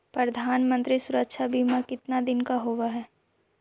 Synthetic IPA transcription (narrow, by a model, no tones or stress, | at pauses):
pɾəd̪ʱaːnmə̃nt̪ɾisʊɾəkʃʰabʱimakɪt̪nad̪ɪnkaɦoːʋaɦɛː